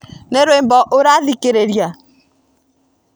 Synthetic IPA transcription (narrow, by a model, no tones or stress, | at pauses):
neɾembɔʔoɾaðikeɾeɾja